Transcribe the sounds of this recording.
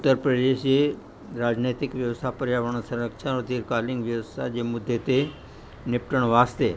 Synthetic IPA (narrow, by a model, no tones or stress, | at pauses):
ʊt̪ːəɾpɾəd̪eʃje | ɾaːd͡ʒnet̪ikʋjəʋst̪ʰapəɾjaʋəɳ̃əsɐɾəkʃʰad̪iɾkalĩŋɡʋjəʋəst̪ʰad͡ʑemʊd̪ʱːet̪e | nɪpʈəɳ̃ʋast̪e